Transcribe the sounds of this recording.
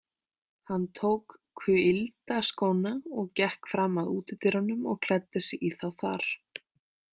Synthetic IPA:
hanːt̪ʰowkkʰvʏɪlt̪askoːwnaɔɣcɛhkfɾaːmaðuːt̪ɪt̪ɪɾhanːʏmɔɣkʰl̥ɛt̪ːɪsɪʔiθawθa̰ɾ̥

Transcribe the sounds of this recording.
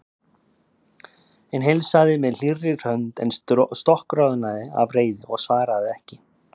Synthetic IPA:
ɛnɦejlsaðɪmɛðl̥irːɪr̥hœnt̪ɛ̰nsst̪ɔhkɾaðnaðɪa̰vreːjðɪɔɣsvaːɾaðɪɛhcɪ

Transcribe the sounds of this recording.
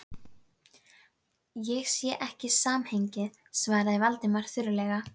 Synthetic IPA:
jɛɣsjɛʔɛhcɪsaːmheɲcɪ | svaːjɾðaivalt̪ɪmaɾ̥θʏɾʏlɛɣa

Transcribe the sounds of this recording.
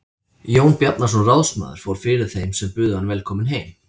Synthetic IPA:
joːwnpjat̪nas̬ɔnrawsma̰ːðʏɾ̥foːwɾ̥fɪɾɪð̥θejmsɛmpʏːðʏhanvɛlkʰɔːmɪnɦejm

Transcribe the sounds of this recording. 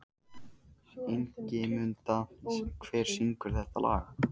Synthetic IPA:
eŋcɪmʏnt̪akʰvɛːɾ̥siŋkʏɾ̥θɛht̪alʔa̰ːɣa

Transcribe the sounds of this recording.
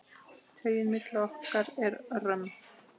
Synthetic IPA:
t̪ʰœːɥjɪnmɪt̪lɪɔhkaɾɛɾrœm

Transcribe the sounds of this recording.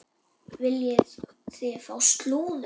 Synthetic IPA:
vɪljɛ | θɪfaːwst̪luːn

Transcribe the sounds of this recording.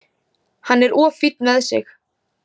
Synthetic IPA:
hanːɛɾʔɔːfit̪̚nmɛðsɪ̰x

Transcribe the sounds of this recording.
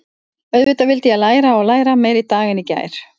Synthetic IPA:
œɥðvɪt̪avɪlt̪ɪalaːjɾaɔɣlaːjɾameːjɾit̪aːɣɪnica̰ːjɾ̥

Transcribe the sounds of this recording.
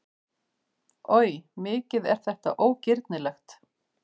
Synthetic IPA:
œːɥjmɪːcɪðɛ̰ɾ̥θɛht̪a̰ʔoːwcɪɾt̪nɪlɛxt̪

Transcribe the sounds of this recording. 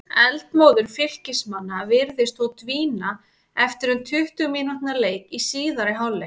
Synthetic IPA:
ɛlt̪moːwðʏɾ̥fɪl̥cɪsmanːavɪɾðɪst̪ɔwt̪viːna | ɛft̪ɪɾʏnt̪ʰʏht̪ʏminan̥t̪naleːjkisiːðaɾɪɦawlːɪ

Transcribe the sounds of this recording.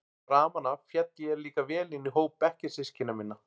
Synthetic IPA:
ɾaːmanafjɛt̪ːɪɛɾliːkavɛːlɪnːɪɦoːwpːɛhcɪsɪscɪnːamɪnːa

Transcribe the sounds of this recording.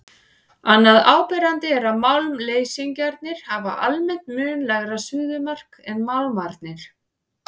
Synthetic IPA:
anːaðaːwpɛɾant̪ɪɛɾaðmawlmleːjsiŋcaɾt̪nɪɾ̥hava̰ʔa̰lmɛn̥t̪mʏːnlɛɣɾasʏːðʏmar̥kɛnmawlmaɾt̪̚nɪɾ̥

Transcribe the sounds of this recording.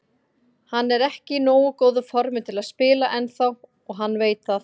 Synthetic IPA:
hanːɛɾɛhcɪnoːwʏkoːwðʏfɔɾmɪt̪ʰɪlaðspɪːlaʔɛnθaw | ɔɣɦanːveːjt̪θa

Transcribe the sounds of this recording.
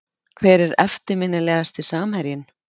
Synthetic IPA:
kʰvɛːɾɛɾɛft̪ɪɾmɪnːɪlɛːɣast̪isaːmhɛɾjɪn

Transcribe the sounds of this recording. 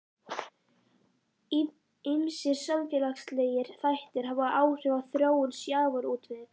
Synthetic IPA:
ɪmsɪɾ̥samfjɛlakst̪leːjɪɾ̥θajht̪ɪɾ̥ɦaːvaʔaːwr̥ʏvaθɾjoːwʏnsjaːvʏɾuːt̪vɪð

